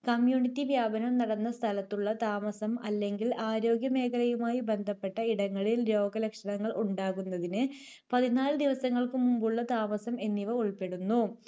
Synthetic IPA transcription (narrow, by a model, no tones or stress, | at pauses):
kɐmjuːɳitːiʋjaːbɐnɐmnɐɽɐnːɐst̪ʰɐlɐt̪ːuɭːɐt̪aːmɐsɐmɐlːe̞ŋɡilaːɾo̞ːɡjɐme̞ːkʰɐlɐjumaːjibe̞nd̪ʱɐpːe̞ʈːɐiɽɐŋːɐɭilɾo̞ːɡɐlɐkʂɐɳɐŋːɐɭuɳɖaːɣunːɐðinɨ | pɐðinaːlɨd̪iʋɐsɐŋːɐɭkɨmumbuɭːɐt̪aːmɐsɐme̞nːiʋɐuɭpe̞ɽunːu